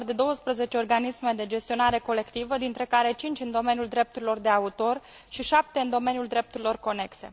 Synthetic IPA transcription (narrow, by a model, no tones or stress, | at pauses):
rd̪e̞d̪o̞wəspɾəze̞t͡ʃeo̞rɡanisme̞d̪e̞d͡ʒe̞st̪io̞naɾe̞ko̞le̞kt̪ivəd̪int̪ɾe̞kaɾe̞t͡ʃint͡ʃʲɨnd̪o̞me̞njuld̪ɾe̞p̚t̪uɾilo̞rd̪e̞aut̪o̞r | ʃiʃap̚t̪eɨnd̪o̞me̞nijuld̪ɾe̞p̚t̪uɾilo̞rko̞ne̞kse̞̰